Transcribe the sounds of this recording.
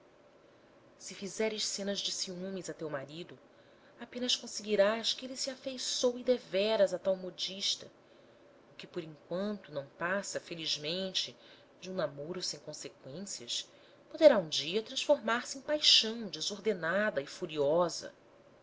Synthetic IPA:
sɪfizɛɾɪʃsẽnɐʒd͡ʒɪsiũmizɐt̪ewmaɾid̪ʊ | apẽnɐʃkõseɡiɾaʃkɪelisiafejsowid̪evɛɾɐzat̪awmod͡ʒiʃt̪ɐ | ʊkɪpoɾĩŋkwɐ̃nt̪ʊnɐ̃w̃pasɐfeliʒmẽnt͡ʃɪ | d͡ʒɪũnamoɾʊsẽj̃kõsekwẽsiɐʃ | pod̪eɾaũd͡ʒiɐt̪ɾɐ̃ʃfoɾmaɾsɪẽj̃pajʃɐ̃w̃d͡ʒɪzoɾd̪enad̪ɐɪfuɾiɔzɐ̰

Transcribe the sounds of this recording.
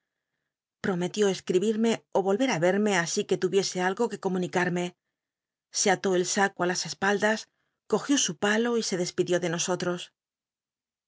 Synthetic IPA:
pɾo̞me̞t̪jo̞e̞skɾiβiɾme̞o̞βo̞lβe̞ɾaβe̞ɾme̞asike̞t̪uβje̞se̞alɣo̞ke̞ko̞mũnikaɾme̞ | se̞at̪o̞e̞lsakoalase̞spald̪as | ko̞xjo̞supalo̞ise̞ðe̞spiðjo̞ðe̞no̞so̞t̪ɾo̞s

